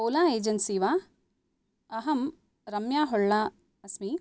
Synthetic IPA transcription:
ɐːlaːeːd͡ʒɐnsiːʋaː | ɐɦɐm | ɾɐmjaːɦɔɭːaː | ɐsmi

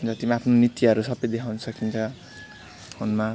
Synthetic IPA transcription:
nt͡sʌt̪imaːpʰnonit̪iʌɾusʌbʌjd̪ekʰawnʌsʰʌkint͡sʰʌ | honma

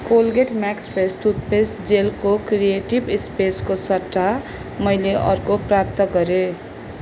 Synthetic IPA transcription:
kolɡeʈmakspʰesʈut̪̚pesʈd͡zelkokrijeʈibspeskosʌtːa | mʌjleʔʌrkoprap̚t̪ʌɡʌɾe

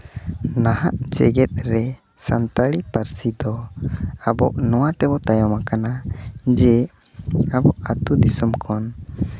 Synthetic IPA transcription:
nahaʔd͡ʒɛɡɛt̪̚ɾɛ | sant̪aɽipaɾsid̪ɔ | abɔʔnɔwat̪ɛbɔt̪ajɔmakanad͡ʒɛ | abɔʔat̪ud̪isumkʰɔn

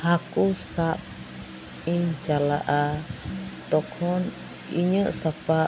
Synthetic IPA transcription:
hakusap̚ | ind͡ʒalaʔa | t̪ɔkʰɔn | iɲəʔsapa

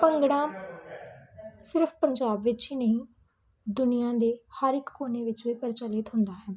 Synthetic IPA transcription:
pəŋɡɽãː | sɪɾpʰpəɲd͡ʒaːbʋɪt͡ʃiːnəɦĩː | d̪ʊnɪjãːd̪eːhəɾɪkːoːneːʋɪt͡ʃʋiːpəɾt͡ʃəlɪt̪ɦʊ̃nd̪aːɦɛː

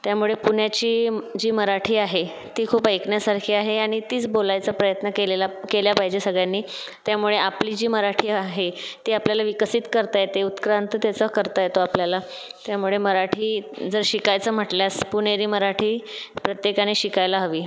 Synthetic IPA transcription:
t̪jamuɭepuɳjat͡ɕiːd͡ʑiːməɾaʈʰiːaɦe | t̪iːkʰuːpəjkɳjasaɾkʰiːaɦeaɽ̃it̪iːt͡sbolajt͡səpɾəjət̪nəkelelakeljapaɦid͡ʑesəɡɭjanːiː | t̪jamuɭeapliːd͡ʑiːməɾaʈʰiːaɦet̪iːapljalaʋikəsiːt̪kəɾt̪ajt̪eut̪kɾant̪t̪jat͡səkəɾt̪ajt̪oapljala | t̪jamuɭeməɾaʈʰiːd͡zəɾɕikajt͡səm̤əʈljaspuneɾiːməɾaʈʰiːpɾət̪jekañeɕikajlaɦəʋiː

